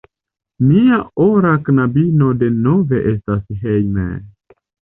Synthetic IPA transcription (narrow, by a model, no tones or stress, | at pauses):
miaoɾaknabino̞de̞no̞ve̞ʔe̞stasɦejmḛ